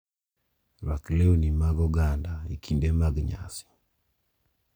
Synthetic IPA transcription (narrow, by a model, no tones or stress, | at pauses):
ɾakleunimaɡɔɡandaikʰindemaɡɲa̰si̥